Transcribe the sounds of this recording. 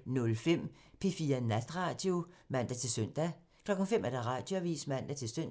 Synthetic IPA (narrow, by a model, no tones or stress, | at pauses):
nɔ̽lfem̰ | pʰe̝fiːɐnæd̥ʁɑ̈ːd̥jomæn̰d̥æt͡sʰe̝lsøn̰d̥æ | kʰlɒ̽ɡ̥n̩femʔæɐd̥ɑʁɑ̈ːd̥jo̝æʋḭːsmæn̰d̥æt͡sʰe̝lsøn̰